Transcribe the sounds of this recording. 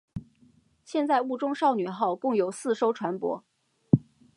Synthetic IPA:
ɕjɛ˥˧nt͡sa˥˧ɪu˥˩ʈ͡ʂʊ˥ŋʂɑ˥˩ʊny˨˩xɑ˥˧ʊkʊ˥˩ŋjo˨˩ʊsɹ̩˥˧ʂo˥ʊʈ͡ʂʰwa˧˥npwɔ̰˧˥

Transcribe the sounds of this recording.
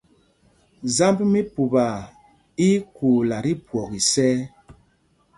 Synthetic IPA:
za˦mbmi˦pu˨ba˨ | i˦ku˨la˨ɾi˦pwɔ˨ɣi˨sɛ˦

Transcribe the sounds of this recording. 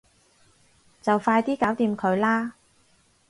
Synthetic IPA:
t͡sɐ˨wfaː˧jt̪iː˥kaː˨˥wt̪iː˧mkʰɵ˨˧ɥlaː˥

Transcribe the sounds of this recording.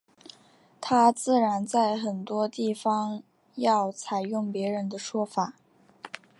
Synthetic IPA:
t̪ʰa˥t͡sɹ̩˥˩ɻa˧˥nt͡sa˥˩ɪxə˨˩nt̪wɔ˥t̪i˥˩fɑ˥ŋ | jɑ˥˩ʊt͡sʰa˨˩ɪjʊ˥˩ŋpjɛ˧˥ɻə˧˥nd̪ə˧ʂwɔ˥fa˨˩˦

